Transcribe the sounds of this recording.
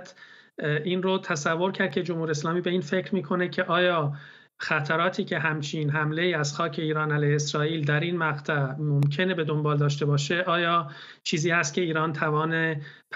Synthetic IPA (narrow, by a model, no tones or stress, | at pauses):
t̪ | iːnrot̪ʰæsævːo̞ɾcʰæɾd̪̚cʰe̞d͡ʒomhuːɾieslɒːmiːbe̞iːnfe̞cɾmiːkʰo̞ne̞cʰe̞ʔɒːjɒː | xæt̪ʰæɾɒːt̪ʰiːcʰe̞ɦæmt͡ʃʰiːnɦæmle̞iːæz̥xɒːcʰe̞iːɾɒːnælejhesɾɒːiːld̪æɾiːnmæɣt̪ʰæmomcʰe̞ne̞be̞d̪o̞mbɒːld̪ɒːʃ̬t̪e̞bɒːʃe̞ʔɒːjɒː | t͡ʃʰiːziːhæst̪̚cʰʲe̞iːɾɒːnt̪ʰævɒːnepʰ